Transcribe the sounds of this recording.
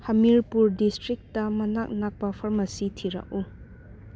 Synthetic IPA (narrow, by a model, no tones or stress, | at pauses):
hɐmiɾpuɾdistɾik̚tɐmɐnak̚nak̚pɐpʰɐɾmɐsitʰiɾɐ̰k̚u